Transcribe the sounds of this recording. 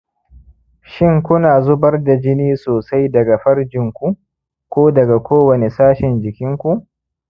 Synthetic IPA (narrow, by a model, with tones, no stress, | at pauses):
ʃɪ˦ŋkʷʊ˦naː˨zʊ˦bɐ˦rda˨d͡ʒɪ˦niː˦soː˨sa˦jdɐ˨ɡa˨ɸɐ˦ɽd͡ʒɪ˨ŋkʷu˦ | kʷoː˦dɐ˨ɡa˨kʷoː˦wɐ˨ne˨saː˦ʃɪ˨nd͡ʒɪ˨kʲɪ˦ŋkʷu˦ʔ